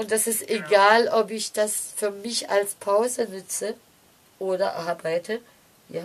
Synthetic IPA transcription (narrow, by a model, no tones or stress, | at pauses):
ʔʊnt̚d̥asɪsteɡaːlɔpɪçd̥asfyːɐmɪça̰lspʰaʊzənʏt͡sə | ʔoːdɐʔʔaɐbaɪtʰə | jaː